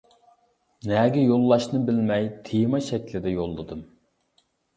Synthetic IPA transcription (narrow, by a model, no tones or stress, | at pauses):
nɛɡʲɛjolˠːɑʃnɨbɪlmɛjt̪ʰejmɑʃɛkʲlɪd̪ɛjolˠːɨd̪ɨm